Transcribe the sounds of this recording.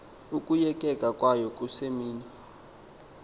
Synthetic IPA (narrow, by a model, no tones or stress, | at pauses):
ukʼujɛkʼɛkʼakʼwajɔkʼusemiːni